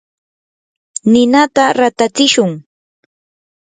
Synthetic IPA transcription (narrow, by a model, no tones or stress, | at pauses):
nɪnat̪aɾat̪at͡sɪʃʊŋ